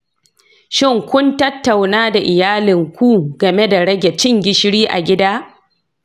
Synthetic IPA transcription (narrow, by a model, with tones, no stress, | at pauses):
ʃɪ˦ŋkʷʊ˦ntɐ˦tːa˨wnaː˦da˨ʔɪ˨jaː˦lɪ˨ŋkʷu˦ɡɐ˨me˦da˨ɽɐ˦ɡʲe˨t͡ʃɪ˦ŋɡʲɪ˨ʃɽiː˦ʔa̰˨ɡʲɪ˦daː˦